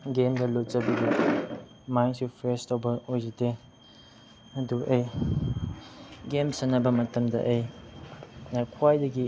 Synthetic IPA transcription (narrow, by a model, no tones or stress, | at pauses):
ɡemɡɐlot̚t͡ʃɐbidi | majnsupʰɾestʰawbɐojzite | ɐduʔəj | ɡemsɐnːɐbɐmɐtɐmdɐ̰ʔəj | nakʰwajdɐɡi